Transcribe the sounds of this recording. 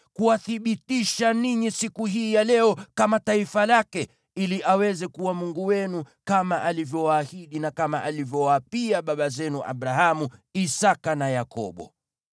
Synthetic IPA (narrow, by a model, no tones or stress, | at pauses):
kuwaθiɓitiʃaniɲisikuɦiːjalɛɔkamataifalakɛ | iliʔawɛzɛkuwamuŋɡuwɛnu | kamaʔalivjɔwaːhiɗinakamaʔalivjɔwapiaɓaɓazɛnuʔa̰ɓɾaɦamuisakanajakɔ̰ɓɔ̰